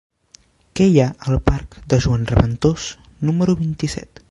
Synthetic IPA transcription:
kɛjaəlˠparkd̪əʒuanrəβənt̪os | numəɾuβint̪isɛ̰t̪

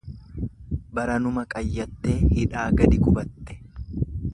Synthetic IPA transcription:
bɐɾɐnʊmɐkʼɐjːɐt̪ːe̞ːhɪᶑaːɡɐd̪ɪkʊbɐt̪ːɛ̥

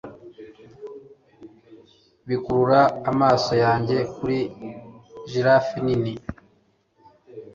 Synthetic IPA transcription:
βikuɾuɾaːmaːso̞jaːɲɟe̞kuɾi | ʒiɾafinini

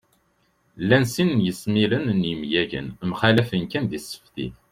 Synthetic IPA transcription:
lːænsinnjəsmilənnjimjæʝə̰nmχælæfənkænðisːə̥fθḭ

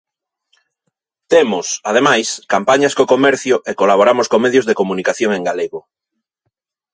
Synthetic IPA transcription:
t̪emʊsað̞emajskampaɲaskokomɛɾθjʊʔekolaβoɾamʊskoŋmeðjozðekomunikaθjoŋeŋɡaleɣo

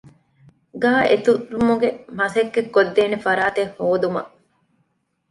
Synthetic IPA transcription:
ɡaːʔet̪uɾumuɡemɐsekːekːod̪ːeːnefɐɾaːt̪ehhoːd̪umɐ̰

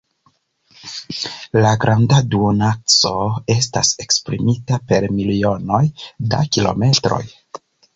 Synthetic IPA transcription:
laɡɾʔandaduonat͡so̞e̞s̬ta̰se̞kspɾḭmitape̞ɾmilio̞no̞jda̰kilo̞̰me̞tɾo̞̰j

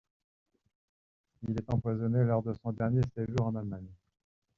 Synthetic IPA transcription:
ilɛt̪ɑ̃pwazɔnelɔʁd̪əsɔ̃d̪ɛʁnjeseʒuʁɑ̃nalmaɲ

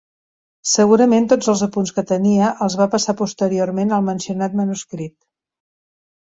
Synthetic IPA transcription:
səɣuɾəment̪od͡zəlˠzəpunskət̪əniəʔəlˠzβapəsapust̪əɾiormenəlˠmənsiunat̪mənuskɾit̪̚

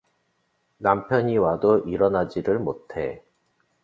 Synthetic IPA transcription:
nampʰjʌɲiwadoʔiɾʌnad͡ʑiɾɯɭmotʰe

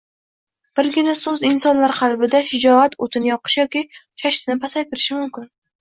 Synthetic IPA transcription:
b̥ɪɾɡʲɪnasɵzɪnsɒnlaɾqʰɑlˠbɪd̪aʃɪd͡ʒɒat̪ʰot̪ʰɪnɪjɒqɨ̥ʃjɒkʲit͡ʃʰaʃt̪ɪnɪpʰasajt̪ʰɪɾɪʃɪmʊmkʲɪn

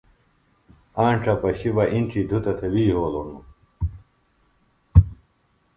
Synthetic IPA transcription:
aːɳʈ͡ʂʰɐpɐɕibɐʔinʈ͡ʂʰid̪ʱut̪ɐt̪ʰɐwiːɦoːlonu

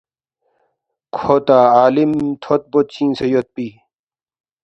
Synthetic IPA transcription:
kʰot̪aːaːlimt̪ʰot̪̚bot̪̚t͡ɕĩːnsejot̪̚piː

